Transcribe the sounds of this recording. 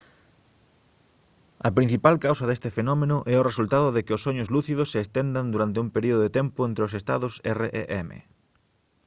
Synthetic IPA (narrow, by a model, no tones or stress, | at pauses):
ɐpɾĩn̟θipalkawsɐðest̪ɪfenɔmenʊʔɛʊresult̪aðʊðekɪʊsoɲʊzluθiðʊsːeːst̪end̪and̪uɾant̪ɪuŋpeɾioðoðet̪empʊent̪ɾeos̬est̪a̰ðʊsɛreʔeʔɛmḛ